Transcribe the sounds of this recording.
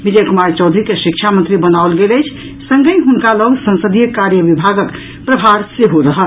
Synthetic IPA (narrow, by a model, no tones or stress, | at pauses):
mid͡ʒekumaɾt͡ʃəwd̪ʱɾikeʃikt͡ʃʰamənt̪ɾibənaolɡeləjt͡ʃʰ | səŋɡəjɦunkaləɡsə̃nsəd̪ʱijəkaɾjəbibʱaɡək | pɾəbʱaɾseɦoɾəɦəl